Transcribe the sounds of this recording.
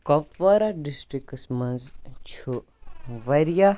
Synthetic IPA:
kɐpːɐɾaɖisʈɾiksmɐnzt͡ʃʰu | ʋɐɾja

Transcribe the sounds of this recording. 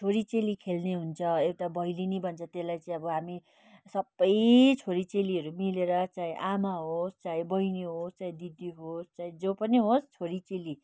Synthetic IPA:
t̪ʰoɾit͡selikʰelneɦunt͡sʰʌewʈabʌjlinibʱʌnt͡sʰʌt̪elajt͡saĩʌbʌɦami | sʌbːʌjt͡sʰoɾit͡seliʌɾumileɾʌt͡saĩʔamaɦost͡saĩbʌjneɦost͡saĩd̪id̪iɦost͡saĩd͡zopʌniɦost͡sʰoɾit͡seli

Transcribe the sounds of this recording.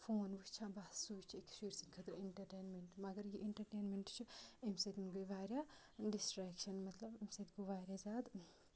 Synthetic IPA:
foːnʋɨʃt͡ʃʰãːbasuːt͡ʃʰiekʃiɾsinkʰɐt̪ɾɐiɳʈɐɾʈeːnmeɳʈmɐɡɐɾjiʔiɳʈɐɾʈeːnmeɳʈt͡ʃʰiemset̪nɡujʋaːɾja | ɖisʈɾaːkʃɐnmɐt̪lɐbemset̪ɡuʋaːɾjazaːd̪

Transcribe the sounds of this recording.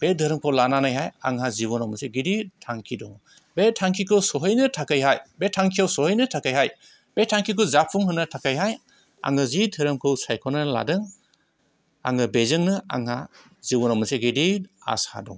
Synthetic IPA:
b̥edʱɯɾɯmkʰɯwlananajɦaja̰ŋɦaziβɔnawmɯseɡiditʰaŋkʰidɔŋ | betʰaŋkʰikʰɯwsɔɦɯjnɯtʰakɯjɦajbetʰaŋkʰijawsɔhɯjnɯtʰakajɦaj | b̥etʰaŋkʰikɯzapʰuŋɦɯnɯtʰakajɦaj | a̰ŋɯzidʱɯɾɯmkʰɯwsajkʰɔnɯla̰dɯŋ | a̰ŋɯbezɯŋnɯa̰ŋha | zibɔnawmɯseɡidia̰sha̰dɔ̰ŋ

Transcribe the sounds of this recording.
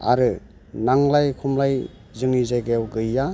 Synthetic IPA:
a̰ɾɯ | naŋlajkʰumlaj | zɯŋnizajɡajawɡɯja

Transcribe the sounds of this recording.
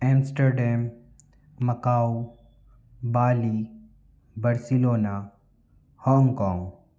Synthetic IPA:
ɛ̃ːmsʈəɾɖɛːmː | ɐkaːu | baːli | bɐɾsiloːna | hɔ̃ːŋɡkɔ̃ːŋɡ

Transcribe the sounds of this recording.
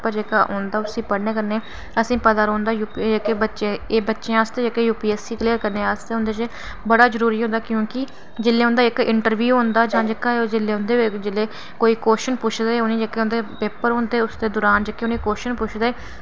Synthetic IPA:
pəɾd͡ʒeːkaʔõːnd̪aːʊsĩːpəɽneːkəɾneː | əsĩːpəd̪aːɾõːnd̪aːjuːpd͡ʒekeːbətːʃẽːeːbətːʃẽaːst̪eːd͡ʒekeːjuːpiːeːsiːkliːəɾkəɾneːaːst̪eːʊ̃nd̪eːt͡ʃe | bəɽaːzəɾuːɾiːɦõːnd̪aːkjõːkɪ | d͡ʒɪlːeːʊ̃ːnd̪aːɪkɪɳʈəɾʋjuːɦõːnd̪aːd͡ʒãːd͡ʒəkaːeoːd͡ʒɪlːeːʊ̃nd̪eːd͡ʒɪlːeː | koːiːkoːʃənpʊʃʰd̪eːonĩːd͡ʒeːkeːõnd̪eːpeːpəɾɦõːnd̪eːʊsd̪eːd̪ʊːɾaːnd͡ʒəkːeoːnĩːkoːʃənpʊt͡ʃʰd̪eeː

